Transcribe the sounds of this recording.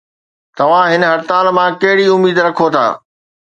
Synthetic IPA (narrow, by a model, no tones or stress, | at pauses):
t̪ɐʋ̤ãɦɪnɦɐɾt̪aːlmãkɐɦɪɽiʊmiːd̪ɾɐkʰot̪ʰa̰ː